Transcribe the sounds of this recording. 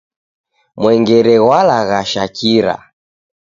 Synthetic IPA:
mwɛŋɡɛɾɛɣwalaɣaʃakiɾa̰

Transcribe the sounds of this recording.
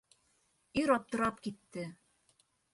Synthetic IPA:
iɾɒp̚t̪ɤ̆ɾɑpkit̪ːɘ

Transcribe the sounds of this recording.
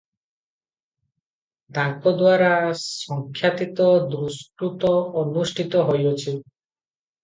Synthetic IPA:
t̪ãŋkɔd̪waɾasɔŋkʰːjat̪it̪ɔd̪ɾuskɾut̪ɔːnusʈʰit̪ɔɦojot͡ʃʰi

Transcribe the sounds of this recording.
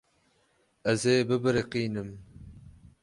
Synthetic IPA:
ɛzeːbɨbɨɾɨqiːnɨm

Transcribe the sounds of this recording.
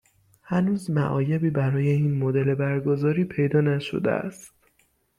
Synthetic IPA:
hænuːzmæʔɒːjebiːbæɾɒːje̞iːnmod̪ele̞bæɾɡozɒːɾiːpʰe̞jd̪ɒːnæʃo̰d̪ḛæ̰st̪

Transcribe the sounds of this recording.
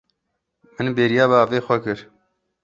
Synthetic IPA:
mɨnbeːɾijaːbaːveːxʷɛkɨɾ

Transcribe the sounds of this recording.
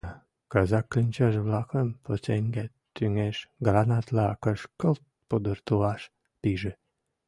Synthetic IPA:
kɑzɑkːənʲt͡ɕɑʃβlɑxəmpot͡seŋʲɡæ | t̪ːyŋeʃɡɾɑnɑt̪lɑɑkəʃkəlt̪̚pod̪ərt̪uɑʃ | piʒĕ

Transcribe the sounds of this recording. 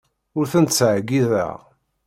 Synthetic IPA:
ʊɾθənt̪sʕɡiðæ̰

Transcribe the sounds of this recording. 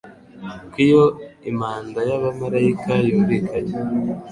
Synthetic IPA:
kijoimaːndajaβamaɾaikʰajuːɾikʰaɟe

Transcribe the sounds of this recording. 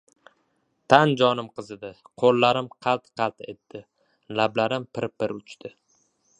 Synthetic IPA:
t̪ʰand͡ʒɒnɪmqɨzɪd̪ɪ | qʰolːaɾɪmqʰɑlˠt̪qʰɑlt̪e̞t̪ːɪ | lablaɾɪmpɪɾpɪɾʊt͡ʃʰt̪ʰɪ

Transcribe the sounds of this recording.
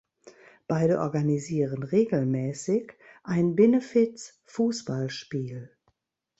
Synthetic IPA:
b̥aɪdəʔɔɐɡaniziːʁənʁeːɡl̩mɛːsɪçʔaɪnbɛnəfɪts | fuːsb̥alʃpiːl

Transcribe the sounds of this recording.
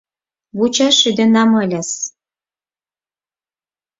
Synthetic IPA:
βut͡ɕɑʃyd̪ĕnɑmɤlʲæs

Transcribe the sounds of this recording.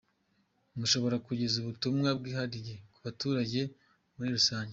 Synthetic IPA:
muʃo̞βo̞ɾakuɟe̞zuβutumŋab̚ɡiːhaɾije̞kuβatuːɾaɟe̞ | muɾiɾusaːɲɟe

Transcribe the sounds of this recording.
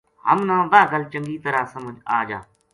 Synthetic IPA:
ɦə̰mnãːd̪aːɡəlt͡ʃə̃ŋɡiːt̪əɾaːsəməd͡ʒa̰ːd͡ʒa̰ː

